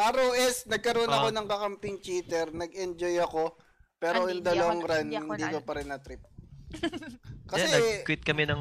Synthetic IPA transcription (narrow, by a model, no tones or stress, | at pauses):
ʔaːɾɐwʔɛsnɐɡ̚kɐɾoonɐko̞nɐŋkɐkɐmpɪŋt͡ʃiːt̪ɛɾnɐɡɛnd͡ʒojɐko̞ | pɛːɾojʊnd̪ɐlɐwaŋɾanɪnnd̪iːkopɐɾɛnːɐt̪ɾɪp̚ | kɐsɛɐkwɪt̪̚kɐmɛnɐŋ